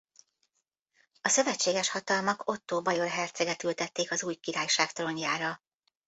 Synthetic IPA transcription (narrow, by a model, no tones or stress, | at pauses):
ɒsø̞vɛt͡ʃːeːɡɛʃhɒt̪ɒlmɒko̞t̪ːoːbɒjo̞rɦɛrt̪sɛɡɛt̪ylt̪ɛt̪ːeːkɒzuːjkiɾaːjʃaːkt̪ɾo̞ɲjaːɾɒ